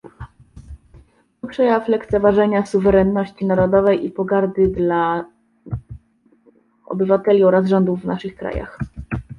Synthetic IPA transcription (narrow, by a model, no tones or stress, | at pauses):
ɔpʂɛjaflɛkt̪sɛvaʐɛɲasuvɛɾɛnːɔɕt͡ɕinaɾɔd̪ɔvɛjʔipɔɡaɾd̪ɘd̪la | ɔ̰bɘvat̪ɛlʲiɔɾazʐɔnd̪uvːnaʂɘxkɾa̰ja̰x